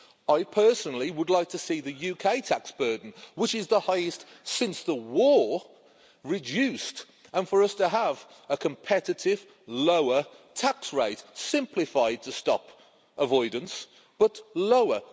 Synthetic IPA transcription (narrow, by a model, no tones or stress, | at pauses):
aɪpʰɜˑ˞sənl̩ˠiwədˡlaɪk̚tʰəsiðɨjʉkʰeɪtʰaksb̥ɜ˞dⁿn̩wɪt͡ʃɪzðəhaɪɨst | sɪ̃nsðəwɔɹ | ɹɪd͡ʒʉˑst | ə̃nfə˞ʌstʰəəv | əkʰə̃mpʰɛɾɨɾɪv | loʊə˞ | tʰaksɹeɪtsɪ̃mpʰlɨfaɪd̚tʰəstɑ̰p | əvɔɪdⁿn̩s | b̥ʌtloʊə